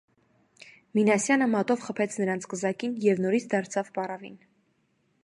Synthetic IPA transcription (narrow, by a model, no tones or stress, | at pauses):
minɑsjɑnəmɑt̪ɔvχəpʰɛt͡sʰnəɾɑnt͡sʰkəzɑkinjɛvnɔɾit͡sʰd̪ɑɾt͡sʰɑvbɑrɑvḭn